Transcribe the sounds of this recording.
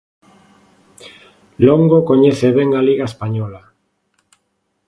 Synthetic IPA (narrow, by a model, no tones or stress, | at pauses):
loŋɡokoɲeθeβeŋaliɣaespaɲɔla